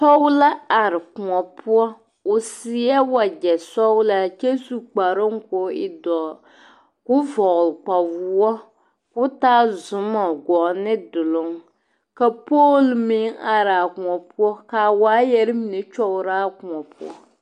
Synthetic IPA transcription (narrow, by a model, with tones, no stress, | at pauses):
tɔ˦wla˦a˨ɾɪ˨ku˨ŋɔ˨pʰʊ˦ɔ˦ | ʊ˨si˨˦ɛ˦wa˨d͡ʒɛ˨sɔ˦wla˦t͡ʃe˦su˦˨k͡pa˨ɾo˦ŋko˨˦ɪ˦dɔ˨ | kʊ˦vɔ˨ɣlk͡pa˨vu˦ɔ˦ | kʊ˦taː˦zʊ˨mɔ˨ɡɔ˨nɪ˦dʊ˨lʊ˦ŋ | ka˨poː˦lmɪ˦ŋa˨ɾa˨kʊ˨ŋɔ˨pɔ˦ka˨wa˨˦jɛ˦ɾɪ˦mi˨ne˨t͡ʃɔ˦ʊ˦ɾaː˦kʊ˨ŋɔ˨pʊ˦ɔ̰˦